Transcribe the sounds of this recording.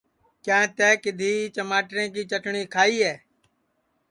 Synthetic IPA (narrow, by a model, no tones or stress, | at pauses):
kjãːt̪ɛːkɪd̪ʱiːt͡ʃəmaːʈɾẽːkiːt͡ʃəʈɳĩːkʰaːiːɦɛː